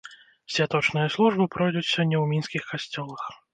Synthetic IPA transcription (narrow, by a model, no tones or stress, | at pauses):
sʲvʲat̪ɔt͡ʂnɨjɐslˠuʐbɨpɾɔjd̪ut̪sʲɔnʲnʲɛwmʲinskʲixkasʲt͡sʲɔlˠɐx